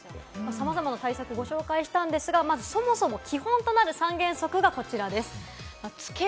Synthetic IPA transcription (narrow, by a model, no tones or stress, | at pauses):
masamazamanat̪aisakɯ̟ɡo̞ɕo̞ːkaiɕi̥t̪ãnd̪e̞sɨɡamazɨso̞mo̞so̞mo̞kʲihõ̞nt̪o̞naɾɯ̟sãŋɡẽ̞ɰ̃so̞kɯ̟ɡako̞t͡ɕiɾad̪e̞sɨ̥ | mat͡sɨ̥ke